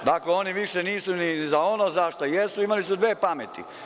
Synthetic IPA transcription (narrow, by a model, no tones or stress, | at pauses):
d̪akleo̞niʋiʃeniːsunizao̞nozaʃt̪ojesuimalisud̪ʋeːpamet̪ḭ